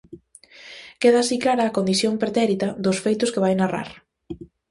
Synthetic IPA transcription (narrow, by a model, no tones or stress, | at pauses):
keðaːsiklaɾɐːkond̪iθjompɾet̪ɛɾit̪ɐðʊsfejt̪ʊskeβajnara̰ɾ